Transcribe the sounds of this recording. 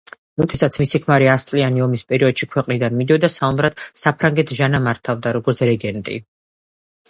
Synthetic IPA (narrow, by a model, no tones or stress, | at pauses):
mud̪ʰʼɛsat̪sʰmisikʰmaɾiast̪sʼlianiɔmispʼɛɾiɔd̪̥ʃikʰwɛqʼnid̪anmid̪iɔd̪asaumɾad̪̥sapʰɾaŋɡɛt̪ʰʒanamaɾt̪ʰavd̪aɾɔɡɔɾt̪sʰɾɛɡɛnt̪ʼḭ